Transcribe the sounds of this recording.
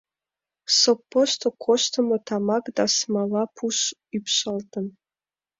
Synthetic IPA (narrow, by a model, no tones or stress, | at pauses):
sopːoʃt̪okʰoʃt̪əmot̪ɑmɑkd̪ɑsmɑlɑpʰuʃypʃɑlt̪ə̆n